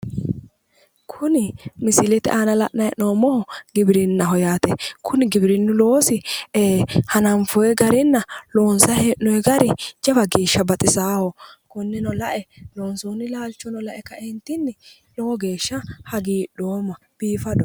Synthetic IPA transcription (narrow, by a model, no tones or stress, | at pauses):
kʰʊnɪmɪsɪlɛt̪ɛ̰ʔanɐlɐ̰ʔnɐjɛnoːmɔhɔɡɪbɪɾɪnːɐɦɔjaːt̪ɛkʰʊnɪɡɪbɪɾɪnːʊloːsɪeːhɐnɐmfɔjɛɡɐɾɪnːɐloːnsɐheʔnɔɛɡɐɾɪd͡ʒɐbɐɡeːʃːɐbɐt̪ʼɪsaːhɔkʊnːɪnɔlɐʔɛloːnsoːnːɪlaːlt͡ʃːɔnɔlɐʔɛkːɐɛnt̪ːɪnːɪ | lɔwɔɡe̞ːʃːɐhɐɡiːɗoːmːɐ | b̥iːfɐdɔ